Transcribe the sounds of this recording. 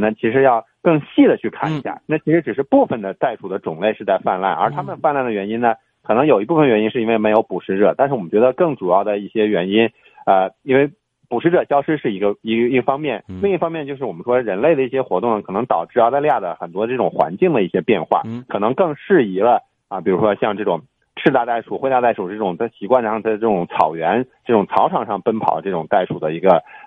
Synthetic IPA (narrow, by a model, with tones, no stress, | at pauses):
nə˩t͡ɕʰi˧˥ʂ̬ɻ̩˧˥jɑ˥˧ʊ | kɤ˥˧ŋɕi˥˩d̪ə˩t͡ɕʰy˥˧kʰa̰˥˩nḭ˨˧˥ɕja̰˥˩na˥˩t͡ɕʰi˧˥ʂɻ̩˧˥ʈ͡ʂɻ̩˨˩ʂɻ̩˥˧pu˥˩fə˩nd̪ə˩t̪a˥˩ɪʈ͡ʂʰu˨˩d̪ə˦ʈ͡ʂʊ˨˩ŋle˥˧ɪʂɻ̩˥˧t͡sa˥˧ɪfa˥˧nla̰˥˩nə̰˞˧˥t̪ʰa˥mə˨nfa˥˧nla˥˩nd̪ə˩ɥɛ˧˥ni˥nə˨ | kʰɤ˨˩nɤ˧˥ŋjo˨˩ʊi˧˥p̬u˥˩fə˩nə˩ɥɛ˧˥ni˥nʂɻ̩˥˩˧i˥we˧˩ɪme˧˥ɪjo˧˥ʊpu˨˩ʂɻ̩˧˥ʈ͡ʂɤ̰˨˩˦t̪a˥˧nʂɻ̩˩wɔ˨˩ə˦nt͡ɕɥɛ˧˥d̪ə˧kɤ˥˩ŋʈ͡ʂu˨˩jɑ˥˩ʊd̪ə˩i˥˩ɕjɛ˥ɥɛ˧˥ni˥n | ə˧i˥nwe˥˩ɪ | pu˨˩ʂɻ̩˥ʈ͡ʂɤ˨˩ɕjɑ˥ʊʂɻ̩˥ʂɻ̩˥˩i˧˥ɡə˧i˧˥˧i˧˥ɡfɑ˥ŋmjɛ˥˩nli˥˧ŋi˥˩fɑ˥ŋmjɛ˥˧nt͡ɕjo˥˧ʊʂɻ̩˥˩wɔ˨˩mə˦nʂwɔ˥ɻə˧˥nle˥˩ɪd̪ə˩i˥˩ɕjɛ˥xwɔ˧˥t̪ʊ˥˩ŋnə˩kʰɤ˨˩nɤ˧˥ŋt̪ɑ˨˩ʊʈ͡ʂɻ̩˥˩ɑ˥ʊt̪a˥˧ɪlja˥˩d̪ə˩xə˨˩nt̪wɔ˥d̪ʈ͡ʂɤ˥˩ʈ͡ʂʊ˨˩ŋxwa̰˧˥nt͡ɕi˥˩ŋd̪ə˩i˥˩ɕjɛ˥pjɛ˥˧nxwa̰˥˩kʰɤ˨˩nɤ˧˥ŋkɤ˥˧ŋʂɻ̩˥˩i˧˥lə˧ | ə˧˩pi˨˩ɻu˧˥ʂwɔ˥ɕjɑ˥˧ŋʈ͡ʂɤ˥˩ʈ͡ʂʊ˨˩ŋ | ʈ͡ʂʰɻ̩˥˧t̪a˥˧t̪a˥˩ɪʂu˨˩xwe˥˧ɪa˥˧t̪a˥˩ɪʂu˨˩˥ʈ͡ʂɤ˥˩ʈ͡ʂʊ˨˩ŋ˥˩ɕi˧˥kwa˥˧nʂɑ˥˧ŋt͡sa˥˧ɪʈ͡ʂɤ˥˩ʈ͡ʂʊ˨˧˩ŋt͡sʰɑ̰˨˩ʊɥɛ˧˥nʈ͡ʂɤ˥˩ʈ͡ʂʊ˨˩ŋt͡sʰɑ˧˥ʊʈ͡ʂʰɑ˨˩ŋʂɑ˥˧ŋpə˥npʰɑ˨˩d̪ə˦ʈ͡ʂɤ˥˩ʈ͡ʂʊ˨˩ŋt̪a˥˩ɪʂu˨˩d̪ə˦i˧˥ɡə˧